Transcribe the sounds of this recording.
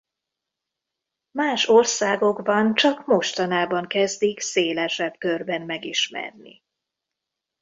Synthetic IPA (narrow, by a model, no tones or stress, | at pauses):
maːʃo̞rsaːɡo̞ɡbɒnt͡ʃɒkmo̞ʃt̪ɒnaːbɒŋkɛzd̪ikseːlɛʃɛb̥kørbɛmːɛɡiʃmɛ̰rnḭ